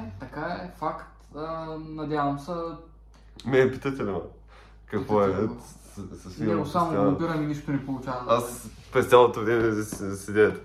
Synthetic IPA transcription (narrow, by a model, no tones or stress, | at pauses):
t̪ɐkaɛfakt̪ənɐd̪ʲjavɐmsə | mɛpi̥t̪ət̪ʲɛlmɐ̰ | kɐkkvɔɛ | sɐsiossamoabiɾɐniniʃt̪onɛpolˠut͡ʃavɐas | pɾɛst̪sʲalˠot̪ovɾɛmɛssɛd̪ʲɛt̪